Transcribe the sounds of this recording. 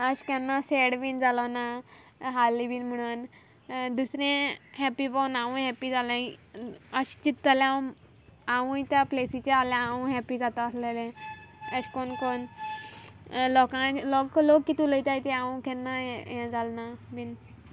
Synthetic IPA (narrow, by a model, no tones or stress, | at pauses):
əɕkɛnːaseɽʋind͡zalana | ɦalːiʋiːnm̤əɽ̃un | d̪usɾẽɦɛpibəwnaʋũɦɛpid͡zalã | əɕt͡ɕit̪ːəlã | aʋũjt̪japlesit͡ɕealeaũɦɛpid͡zat̪aəslelẽəɕkonkon | lɔkãlɔklokːit̪uləjt̪ajt̪eaũkɛnːajɛ̃d͡zalnaʋin